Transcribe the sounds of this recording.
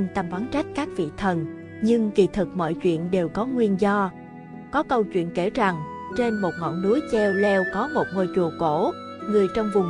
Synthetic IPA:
nt̪a˨˩mvaː˨˦nt͡ɕa˦˥k̟̚kaː˦˥k̚vḭ˧˨t̪ʰə˨˩n | ɲɨ˧ŋkḭ˧˩t̪ʰɨ˨˩k̚mɔ̰˧˨jt͡ɕwḭ˧˨ənɗe˨˩wkɔ˨˦ŋwi˧ənzɔ˧ | kɔ˨˦kə˧wt͡ɕwḭ˧˨ənke˧˩za˨˩ŋt͡ɕe˧nmo˨˩t̚ŋɔ̰˧˨nːu˨˦əjt͡ɕɛ˧wlɛ˧wkɔ˨˦mo˨˩t̚ŋo˧˩jt͡ɕu˨˩əko˧˩˥ | ŋɨ˨˩əjt͡ɕɔ˧wŋ͡mvʊ˨˩ŋ͡m

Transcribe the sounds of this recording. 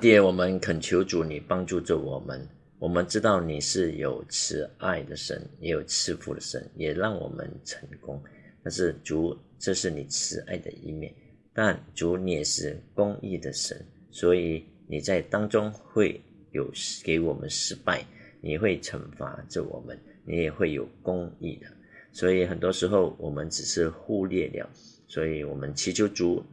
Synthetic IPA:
t̪i˧˩wɔ˨˩mə˧˦nkʰə˨˩nt͡ɕʰjo˧˥ʊʈ͡ʂu˧˥ni˨˩pɑ˥ŋʈ͡ʂu˥˧ʈ͡ʂə˥˩wɔ˨˩mə̰˧˦n | wɔ˨˩mə˧˦nʈ͡ʂɻ̩˥t̪ɑ˥˩ʊni˨˩ʂɻ̩˥˩jo˨˩ʊt͡sʰɻ̩˥a˥˩ɪd̪ə˩ʂə̰˧˥ni˧˥jo˨˩ʊt͡sʰɻ̩˥˧fṵ˥˩d̪ə˨ʂə̰˧˦˥njɛ˨˩lɑ˥˩ŋwɔ̰˨˩mə̰˧˦nʈ͡ʂʰə̥˧˥ŋkʊ˥ŋt̪a˥˧nʂɻ̩˥˩ʈ͡ʂu˧˥˦ | ʈ͡ʂɤ˥˧ʂɻ̩˥˩ni˨˩t͡sʰɻ̩˥ʔa̰˥˩ɪd̪ə̰˨˩ʔḭ˥˧mjɛ̰˥˩n | t̪a˥˩nʈ͡ʂu˧˥ni˨˥jɛ˨˩ʂɻ̩˥˩kʊ˥ŋḭ˥˩d̪ə˩ʂə̰˧˥n | swɔ˧˥i˨˦ni˨˩t͡sa˥˩ɪt̪ɑ˥ŋʈ͡ʂʊ˥ŋxwe˥˩ɪ | jo˨˩ʊke˧˥ɪwɔ˨˩mʔə̰˦nʂɻ̩˥pa˥˩ɪni˨˩xwe˥˩ɪʈ͡ʂʰə̰˧˥ŋfa̰˧˥ʈ͡ʂə˥˩wɔ̰˨˩mə˦n | ni˧˥jɛ˨˩xwe˥˩ɪjo̰˨˩ʊkʊ˥ŋḭ˥˩d̪ə˩ | swɔ˧˥i˨˩˦xə˨˩nt̪wɔ˥ʂɻ̩˧˥xo˥˩ʊwɔ˨˩mə˧˦nʈ͡ʂɻ̩˨˩ʂɻ̩˥˧xu˥˧ljɛ̰˥˧ljɑ̰˥˨˩ʊ | swɔ˧˥i˧˨˦wɔ˨˩mə˦nt͡ɕʰi˧˥t͡ɕʰjo˥ʊʈ͡ʂu˧˥

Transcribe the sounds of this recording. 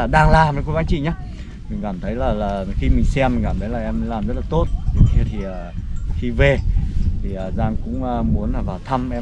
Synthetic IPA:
a˨˩ɗaː˧ŋlaː˨˩mə˨˦ko˧˦zaː˨˦t͡ɕḭ˧˨ɲa˨˧˦ | mï˨˩ŋ̟kaː˧˩mt̪ʰə˨˦jlaː˨˩laː˨˩xi˧mï˨˩ŋ̟sɛ˧mːi̟˨˩kaː˧˩t̪ʰə˨˦jlaː˨˩ʔɛ˧mə˨˦laː˨˩mzə˦˥t̚laː˨˩t̪o˦˥t̚t̪ʰe˨˦t̪ʰi˨˩əː˨˩xi˧ve˨˩t̪ʰi˨˩ʔəː˨˩zaː˧ŋkʊ̰˧˥ŋ͡məː˧mu˨˦ənlaː˨˩vaː˨˩wt̪ʰa˧mʔɛ˧

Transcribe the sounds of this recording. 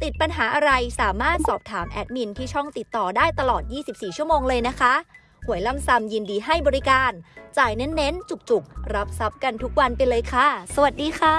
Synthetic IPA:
t̪i˨˩t̪̚pa˧nɦaː˩˦ʔa˧ɾa˧jsaː˩˦maː˥˩t̪̚sɔː˨˩p̚t̪ʰaː˩˦mʔɛ˦˥t̪̚mi˧nt̪ʰiː˥˩t͡ɕʰɔ˥˩ŋt̪i˨˩t̪ːɔː˨˩daː˥˩jt̪a˧lɔː˨˩t̪̚jiː˥˩si˨˩p̚siː˨˩t͡ɕʰu˥˩əmoː˧ŋlɤː˧jna˦˥kʰa˦˥ | hu˩˦jla˥˩msa˧mji˧ndiː˧ɦa˥˩jbɔː˧ɾi˦˥kaː˧nt͡ɕaː˨˩jne˦˥nːe˦˥nt͡ɕu˨˩k̚t͡ɕu˨˩k̚ɾa˦˥p̚sa˦˥p̚ka˧nt̪ʰu˦˥k̚wa˧npa˧jlɤː˧jkʰa˥˩sa˧wa˨˩t̪̚diː˧kʰaː˧˥˩

